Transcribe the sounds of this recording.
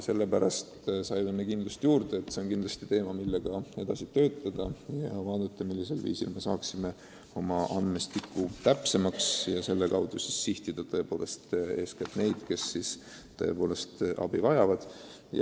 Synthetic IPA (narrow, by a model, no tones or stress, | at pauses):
se̞lːe̞pæɾɑst̪sɑjmemekind̪lɑst̪juːɾd̪̥eːt̪ːˑse̞o̞nkind̪lɑst̪it̪e̞ːmɑmilːe̞ɡ̥ɑe̞d̪̥ɑsit̪ø̞ːt̪ːˑɑd̪̥ɑjɑvɑːd̪ut̪ːˑɑmilːiselvḭːsḭlme̞sɑːksime̞ | o̞mɑʔɑnd̪mest̪ikːˑut̪æpse̞mɑksjɑse̞lːe̞kɑwd̪usisːiht̪id̪̥ɑt̪ɤe̞po̞ːle̞st̪e̞ːskæt̪ne̞jd̪̥ke̞sːis | t̪oe̞̰po̞ːle̞st̪ʔɑ̰b̥ivɑjɑvɑd̪̥ | jɑ̰